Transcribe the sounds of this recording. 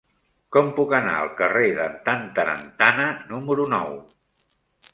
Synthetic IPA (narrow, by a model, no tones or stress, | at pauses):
kɔmpukəna̰ə̰lˠkəreðənt̪ant̪əɾə̰nt̪anənuməɾunɔw